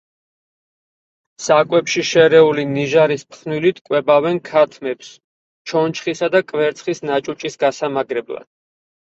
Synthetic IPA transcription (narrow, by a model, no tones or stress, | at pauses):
sakʼwɛpʃiʃɛɾɛuliniʒaɾispχnwilit̪ʰkʼwɛbavɛnkʰat̪ʰmɛps | t͡ʃʰɔnt͡ʃʰχisad̪akʼvɛɾt̪sʰχisnat͡ʃʼut͡ʃʼisɡasamaɡɾɛbla̰d̪̥̚